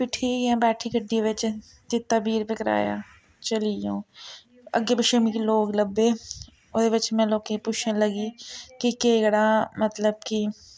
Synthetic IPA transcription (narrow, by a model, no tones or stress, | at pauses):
pɪʈʰikɛ̃ːbɛːʈʰikəɖːiʋɪt͡ʃ | t̪ɪt̪ːabiːɾpɪkɾa̰ːja̰ː | t͡ʃəlijõː | ə̰ɡeːbɪʃəmikiloːɡləbːe | oʋɪt͡ʃmɛ̃ːloːkepʊt͡ʃʰẽləɡikikeːɡɽaːmət̪ləbki